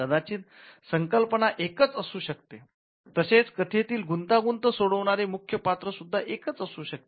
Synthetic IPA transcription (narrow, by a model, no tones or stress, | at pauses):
əd̪at͡ɕiːn | səŋkəlpəɳaʔekət͡səsuːɕəkt̪e | t̪əset͡skət̪ʰet̪iːlɡunt̪aɡunt̪əsoɽəʋɳ̃aɾemukʰjəpat̪ɾəsud̪ʱːaʔekət͡səsuːɕək̚t̪ee